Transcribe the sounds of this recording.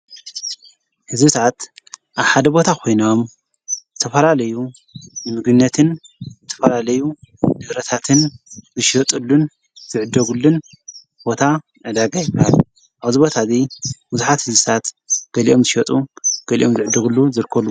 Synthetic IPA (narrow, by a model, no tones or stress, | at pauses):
hɨzbɨt̪ʰat̪ʔaβħad̪ɐbo̞t̪ʰakʰo̞jnom | zɨt̪ʰɐfɐlalɐju | nɨmɨɡɨnːɐt̪ʰɨn | zzɨt̪ʰɐ̥fɐlalɐjud̪ɨɾɐt̪ʰat̪ʰɨnzɨʃɐt̪ʼɨlːun | zɨʕɨd̪ːɐɡulːun | bo̞t̪ʰa | ʕɨd̪aɡajɪbahal | ʔaβzɨbo̞t̪ʰazibuzuħat̪hɨzbɨt̪ʰat̪ | ɡ̥ɐliʔo̞mzɨʃɐt̪ʼuɡ̥ɐlḭʔo̞mzɨʕɨd̪ːɐɡulːuzɨɾkʰːɐlːu